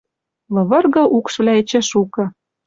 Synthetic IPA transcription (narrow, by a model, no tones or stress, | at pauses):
lɤ̆βɤ̆rɣɤ̆ʔukʃβlʲæet͡ɕĕʃukɤ̆